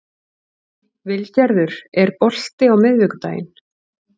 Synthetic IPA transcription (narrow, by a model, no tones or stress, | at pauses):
vɪlcaɾðʏɾ̥ɛɾpɔl̥t̪ɪawmɪðvɛkʏ̥t̪a̰ːjɪ̰n